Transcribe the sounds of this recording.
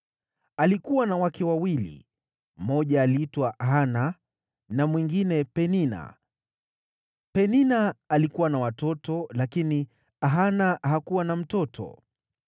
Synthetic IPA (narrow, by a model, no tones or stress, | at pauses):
alikuwanawakɛwawilḭ | mɔʄaːliːtwaʔaɦana | namwiŋɡinɛpɛnina̰ | pɛninaːlikuwanawatɔtɔlakini | aɦanaɦakuwanam̩tɔtʰɔ̰